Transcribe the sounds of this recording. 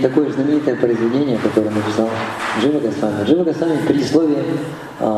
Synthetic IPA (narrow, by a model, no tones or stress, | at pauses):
t̪ɐko̞jəznəmʲɪnʲit̪əjəpɾəɪzvʲɪdʲenʲɪjəkɐt̪o̞ɾəjənəpʲɪsalˠʐɨvəɡɐsˠamʲːʐɨvəɡɐsˠamʲəpɾʲɪslˠovʲɪə